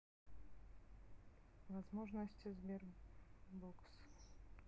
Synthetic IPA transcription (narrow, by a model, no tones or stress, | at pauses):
vazmɔʐnɔɕt͡ɕzmʲjɛɾ | bɔks